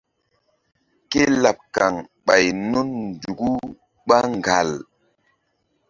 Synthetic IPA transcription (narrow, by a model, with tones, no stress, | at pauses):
ke˦la˨p̚ka˨ŋɓa˨jnu˦nndu˨ɡu˦ | ɓa˦ŋ˨ɡa˨l